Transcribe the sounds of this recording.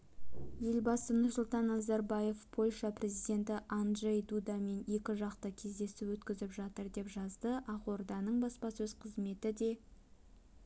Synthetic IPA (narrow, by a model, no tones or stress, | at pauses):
je̞lbɑsənʊɾsʊlˠt̪ɑnːɑzaɾbɑje̞fpʰo̞lʲʂɑprʲe̞zijd̪e̞nt̪ɪʔanʒejd̪ud̪ɑme̞nje̞kʲɪʒɑqt̪əkʲʰe̞zd̪e̞sɪpwɵt̪kʲɪzɪpʒɑt̪əɾd̪epʒɑzd̪əʔɑqo̞rd̪ɑnəɴbɑspɑsɵz̥qʰəzme̞t̪ɪd̪e̞